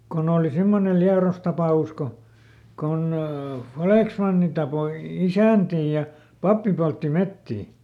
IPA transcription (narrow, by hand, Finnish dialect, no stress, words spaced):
kon oːli simːonel liɑros tɑpɑˑus ko kon fɑleˑksmɑnːi tɑpoi isæˑntiː jɑ pɑpːi poltːi metːiː